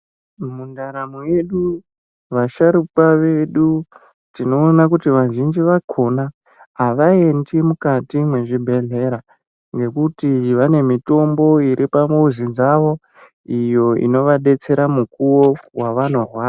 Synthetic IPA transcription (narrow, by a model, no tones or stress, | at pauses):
mundaɾamujeɗu | ʋaʃaɾupaʋe̞ɗu | tino̞ːnakutiʋaʒind͡ʒiʋakʰo̞na | aʋae̞ndimukatimwe̞ʐibʱe̞ɮe̞ɾa | ŋɡe̞kutiʋane̞mito̞mbo̞iɾʔipamouzid͡zaʋo̞ | ijo̞ḭno̞ʋaɗe̞t͡se̞ɾamukuwo̞waʋan̤urwaː